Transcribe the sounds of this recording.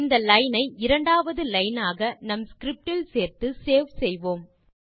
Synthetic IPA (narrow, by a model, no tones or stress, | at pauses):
nd̪ɐlɐɪnɐɪɪɾɐɳɖaːʋɐðɯlɐɪnaːɣɐnɐmskɪɾɪp̚ʈɪlseːɾt̪ɯseːʋsɛjʋoːm